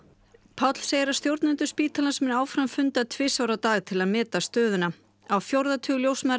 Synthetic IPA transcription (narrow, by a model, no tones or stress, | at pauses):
pʰawt̪l̥sejɪɾḁst̪jowɾt̪nɪnt̪ʏ̥spiːt̪ʰalansmɪnaːwfɾamfʏnt̪at̪ʰvɪsawɾat̪aːɣt̪ʰɪlaðmɛːt̪ast̪œːðʏna | awfjowɾðat̪ʰʏːɣljowsma